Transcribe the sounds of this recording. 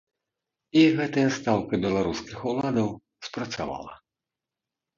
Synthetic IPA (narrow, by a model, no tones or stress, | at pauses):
iɣɛt̪ɐjɐst̪awkɪbʲɛlˠɐɾuskɪxʊlˠad̪ɔw | spɾɐt̪sʲa̰ʋa̰lˠɐ̰